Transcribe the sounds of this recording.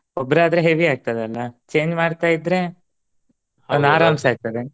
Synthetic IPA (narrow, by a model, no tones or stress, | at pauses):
obːɾaːd̪ɾeɦeʋiaːɡ̚t̪ɐd̪eɐlːɐt͡ʃe̞ːɲd͡ʒmaːɖt̪aːjid̪ɾe̞ | ɐaːɾaːmbsaːɡ̚t̪ɐd̪e